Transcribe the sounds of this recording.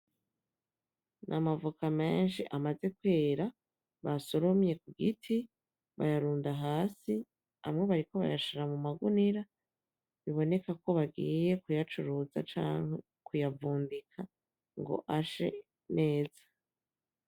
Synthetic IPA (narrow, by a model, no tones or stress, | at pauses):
nʔamavukame̞ːnʃiʔamaze̞kwe̞ːɾa | βaso̞ɾo̞mje̞kuɡitʰi | βa̰jaɾuːndaɦaːsi | a̰mŋe̞βaɾiko̞βa̰jaʃiɾamumaɡuniɾa | βiβo̞ne̞kako̞βaɡiːje̞kujat͡ʃuɾuza̰t͡ʃa̰ːŋe | kujavuːndikʰa | ŋɡo̞̰ʔaʃe̞̰ | ne̞ːzḁ